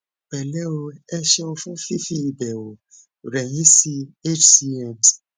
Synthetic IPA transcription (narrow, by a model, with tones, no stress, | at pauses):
bɛ˨lɛ˦o˧ɛ˧ʃɛ˦ɔ̃˧fũ˦fi˦fi˦i˨bɛ˨wo˨ | ɾɛ˨j̃ĩ˨˦si˧e˦t͡ʃsi˧ɛ˦˨t